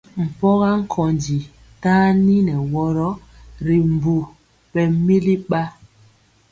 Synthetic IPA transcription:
m̩˨pɔ˦ɣa˦ŋ̩˦kʰɔ˨nd͡ʒi˨ | taː˦ni˦nɛ˨wɔ˦ɾɔ˦ | ɾi˨m˨bu˨ | pɛ˦mi˦li˦ɓa˦

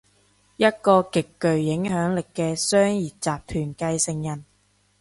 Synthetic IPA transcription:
jɐ˥t̚kɔː˧kɪ˨kːɵ˨ɥjɪ˨˥ŋɦœː˨˥ŋlɪ˨kːɛː˧sœː˥ŋjiː˨t̚t͡saː˨p̚t̪ʰyː˨˩nkɐ˧jsɪ˨˩ŋjɐ˨˩n

